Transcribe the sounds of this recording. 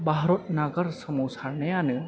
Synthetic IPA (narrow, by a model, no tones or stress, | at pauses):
baɦɾot̪naɡəɾsəmuwsʰaɾɳeane